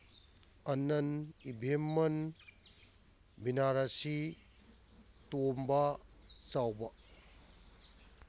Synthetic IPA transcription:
ɐnɐnibʱemːɐn | binaɾasi | tombat͡sawbɐ

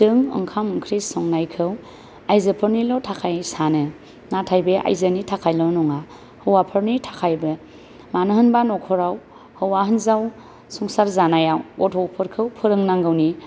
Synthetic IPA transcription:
sɯŋɯ̰ŋkʰamɯŋkʰɾisɔŋnajkʰɯw | ajzɯpʰɯɾnilɔtʰakʰajsanɯ | natʰajbeʔa̰jzɯnitʰakʰajlɔnɔŋa | hɯwapʰɯɾnitʰakʰajbɯ | manɯhɯnbanɔkʰɔɾaw | hɯwaɦɯnzaw | sɔŋsaɾzanajawɔtʰɔwpʰɯɾkʰɯwpʰɯɾɯŋnaŋɡɯwni

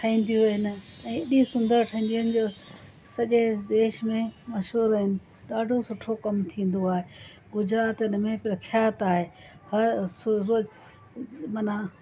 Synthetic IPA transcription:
ʈʰɐĩːn̆d̪ijuuɦɪnɪ̆ɛ̃ːɪɗĩsʊ̃nd̪əɾʈʰəĩːn̆d̪ijənɪ̆d͡ʑoː | sɐʄed̪eːʃmẽmɐʃɦuːɾɐɦɪnɪ̆ | ɗaːɖʱosʊʈʰokɐmt̪ʰĩːn̆d̪oaːɦe | ɡʊd͡ʑɾaːt̪ɪn̆mẽpɾɐkʰjaːt̪aːɦeː | hɐɾsʊːoːzɪ | mɐna

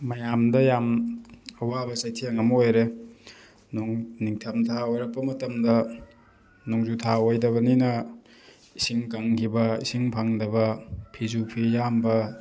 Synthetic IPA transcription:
mɐjamdɐjam | ɐwabɐsajtʰijaŋɐmojɾe | nuŋniŋtʰɐmtʰaojɾɐk̚pːɐmɐtɐmdɐ | nuŋzutʰaojdɐβɐninɐ | isiŋkaŋkʰibɐisiŋpʰaŋdɐbɐpʰizupʰijambɐ

